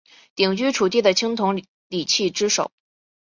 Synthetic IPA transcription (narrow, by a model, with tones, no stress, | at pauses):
t̪i˨˩ŋt͡ɕy˥ʈ͡ʂʰu˨˩t̪i˥˩d̪ə˩t͡ɕʰi˥ŋt̪ʰʊ˧˥ŋ | li˨˩t͡ɕʰi˥˩ʈ͡ʂɻ̩˥ʂo˨˩˦ʊ